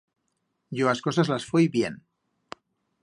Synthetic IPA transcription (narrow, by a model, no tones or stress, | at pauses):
ɟ͡ʝoasko̞sazlasfujβje̞n